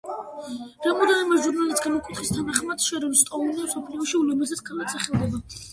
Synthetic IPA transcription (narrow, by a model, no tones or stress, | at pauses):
ɾamɔd̪ɛnɛmaʒuɾnalit̪ɡamɔkʼwit̪χist̪ʰanaχmad̪̥ʃɛɾɛnst̪ʼɔunɛmsɔpʰliɔʃiulɛmɛzɛt̪ɡalat̪sʰʼaχɛlˠd̪ɛba